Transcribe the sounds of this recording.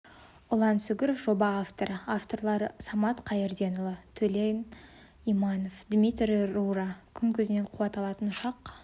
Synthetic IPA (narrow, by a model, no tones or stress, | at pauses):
ʊlˠɑnsʏɡʲɪɾofʒo̞bɑːft̪o̞ɾəaft̪o̞rlˠɑɾəsɑmɑt̪qʰɑjɪɾd̪e̞nʊlˠət̪ʰɵlejn | imɑno̞fd̪mʲit̪rʲːurɑkʲʰʏŋkʲʰɵzɪneɴqʰuwɑt̪ɑlˠɑt̪ənʃɑq